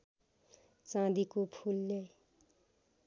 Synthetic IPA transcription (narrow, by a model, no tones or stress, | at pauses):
t͡sãd̪ikopʰulːe